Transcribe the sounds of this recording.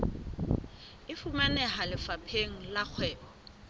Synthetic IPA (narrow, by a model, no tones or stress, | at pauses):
ɪfumanɛɦalɪfapʰeŋ̩lak͡xʰwɛːbɔ